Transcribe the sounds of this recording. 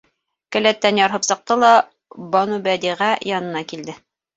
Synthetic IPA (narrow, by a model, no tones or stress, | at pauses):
kæ̆læt̪ːænjɑɾɦɤpsɤ̆q̚t̪ɤlˠɑ | bɒnubæd̪iʁæjɑnɤ̆nɑkild̪ɘ